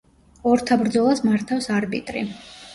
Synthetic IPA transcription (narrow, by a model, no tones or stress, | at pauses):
ɔɾt̪ʰabɾd̪zɔlˠasmaɾt̪ʰafsaɾbḭt̪ʼɾḭ